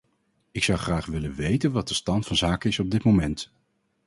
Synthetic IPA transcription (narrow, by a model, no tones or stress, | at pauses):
ɪksʌwχraːχʋɪlənʋejtənʋɑt̚dəstɑntfɑnzaːkənɪsɔb̚dɪtmowmɛnt